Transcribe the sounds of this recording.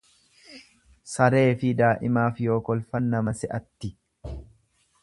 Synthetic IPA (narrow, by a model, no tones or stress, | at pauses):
sɐɾe̞ːfɪd̪aːʔɪmaːfjo̞ːkɔlfɐnːɐmɐsɛʔɐt̪ːɪ